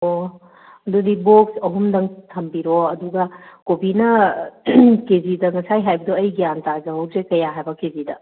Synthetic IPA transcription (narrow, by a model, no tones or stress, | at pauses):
o | ɐd̪od̪iboksɐɦumd̪ɐŋt̪ʰɐmbiɾoɐd̪uɡɐkobinɐ | kezid̪ɐŋɐsajɦajbɐd̪oɐjɡijant̪aɾzɐɦɐwzekɐjaɦajbɐkezid̪ɐ̰